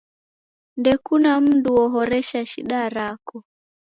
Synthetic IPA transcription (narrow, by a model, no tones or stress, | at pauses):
ndɛkunam̩duɔɦɔɾɛʃaʃiɗaɾakɔ